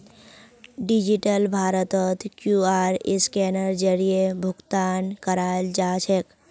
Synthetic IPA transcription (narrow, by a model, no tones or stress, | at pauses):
ɖid͡ʒiʈəlbʱaːɾət̪ət̪kjuaɾɪskenəɾd͡ʒəɾijebʱʊɡt̪aːnkəɾald͡ʒaːt͡ʃʰek